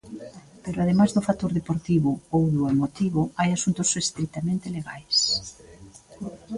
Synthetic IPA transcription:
peɾoaðemazðʊfat̪oɾðepoɾt̪iβʊowðʊemot̪iβʊajasunt̪osest̪ɾik̚t̪amẽnt̪eleɣajs

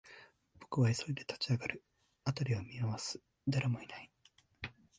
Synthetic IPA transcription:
b̥o̞kɯ̟βaiso̞ɾʲid̪e̞t̪ḁt͡ɕiaɡaɾɯ̟ | at̪aɾʲiβamʲiaβasɨ̥ | d̪aɾamo̞inai

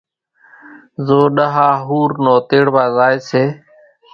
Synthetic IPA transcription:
zoːɗəɦaːɦuːɾnoːt̪eːɽbaːzaːeːseː

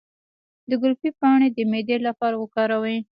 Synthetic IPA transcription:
d̪əɡʊlpipɑɽ̃ed̪əmed̪elapɑɾawəkɑɾawe

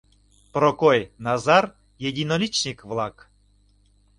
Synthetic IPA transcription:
prokojnɑzɑr | jedʲinolʲit͡ɕnʲikvlˠɑk

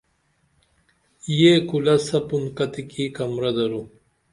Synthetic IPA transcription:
jekulɐsɐpunkɐt̪ikikɐmɾɐd̪ɐɾu

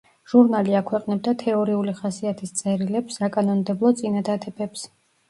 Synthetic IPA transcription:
ʒ̥uɾnaliakʰwɛqʼnɛb̚d̪at̪ʰɛɔɾiuliχasiat̪ʰist̪sʼɛɾilɛpsːakʼanɔnd̪ɛblˠɔt̪sʼinad̪ad̪ɛbɛps

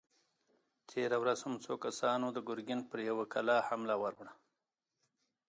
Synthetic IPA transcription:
t̪ʰeɾawɾaz̥hamt͡sokasɑnod̪əɡʊɾɡɪnpəɾjawakʰalɑhamlawaɾwɳa

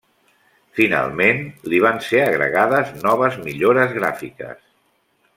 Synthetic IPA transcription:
fina̰lˠmenliβ̞anseəɣɾə̰ɣaðəznɔβəzmiʎoɾəzɣɾafikə̰s

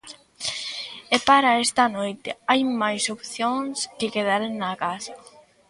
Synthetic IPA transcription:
epaɾaest̪anojt̪ɪajmajsopθjoŋskɪkeð̞aɾenːakasa

